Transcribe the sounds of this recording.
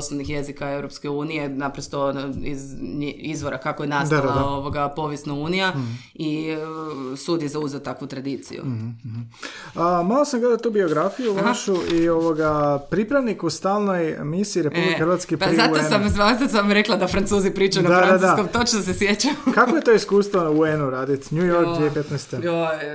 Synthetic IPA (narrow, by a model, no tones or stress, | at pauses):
osnonixje̞zikaewɾopske̞uːnije̞napɾost̪o̞izizʋoɾakakojenasaaoʋo̞ɡapo̞ʋjesnauːnija | i | suːd̪jezauzeot̪akʋut̪ɾad̪iːt̪sḭjṵ | əmalˠosamɡled̪at̪t̪uːbio̞ɡɾafijuʋaʃuʔio̞ʋoɡapɾipɾaʋnikust̪aːlˠno̞jmisiːɾepublikexɾʋat̪skipaɾizaosamzʋansasamɾeklˠad̪afɾant̪suːzipɾiːt͡ʃajunad̪adaad̪akomt̪o̞t͡ʃnosesjet͡ɕajukakoje̞t̪o̞iskuːst̪ʋonuenuɾaːd̪it̪ɲujoɾkdd̪jiepet̪nɛst̪eo